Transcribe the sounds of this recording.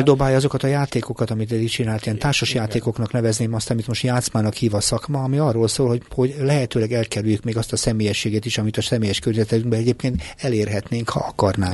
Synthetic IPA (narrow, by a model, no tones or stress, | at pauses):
d̪obaːjɒzo̞kɒt̪ɒjaːt̪eːko̞kɒt̪ɒmit̪ɛd̪it͡ʃinaːlt̪ijɛnt̪aːʃoʃjaːt̪eːko̞knɒknɛvɛzneːmɒst̪ɒmit̪mo̞ʃt̪jaːt̪smaːnɒkhiːvɒsɒkmɒːmiɒrːoːlsoːlhoho̞ɟlɛɦɛt̪øːlɛɡɛlkɛɾyljykmeːɡɒst̪ɒsɛmeːjɛʃːeːɡet̪iʃɒmit̪ɒsɛmeːjɛʃkørɲɛzɛt̪ɛt̪yŋɡbɛɛɟeːp̚keːnt̪ɛleːrɦɛt̪neːŋkhɒ̰ɒkɒrnaː